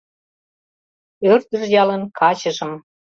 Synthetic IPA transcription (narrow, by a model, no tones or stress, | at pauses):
ørt̪əʒjɑlənkʰɑt͡ɕəʒəm